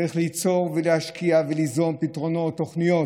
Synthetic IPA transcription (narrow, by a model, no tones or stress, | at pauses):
iχlit͡so̞ʁvelehaʃkʰiavelizo̞mpitʁo̞no̞t̪ːo̞χnijo